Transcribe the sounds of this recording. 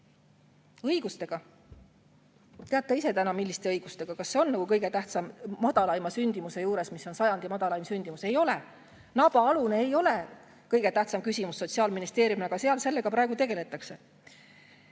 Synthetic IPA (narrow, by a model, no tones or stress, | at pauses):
ɤjɡ̥ust̪e̞ɡ̥ɑ | t̪eɑt̪ːˑeise̞t̪ænɑmilːist̪e̞ɤjɡ̥ust̪e̞ɡ̥ɑkɑsːe̞o̞nːɑɡukɤjɡe̞t̪æht̪sɑmmɑd̪̥ɑlɑjmɑsynʲd̪̥imuse̞juːɾe̞smisːo̞nsɑjɑnd̪imɑd̪ɑlɑjmsynʲd̪̥imuse̞jo̞le | nɑb̥ɑɑluneejo̞le̞ | kɤjɡ̥e̞t̪æht̪sɑmkysʲimusːo̞t̪ʲsiɑːlminist̪e̞ːɾjumneɑɡɑseɑlse̞lːe̞ɡ̥ɑpɾɑeɡut̪e̞ɡ̥e̞le̞t̪ːˑɑkse̞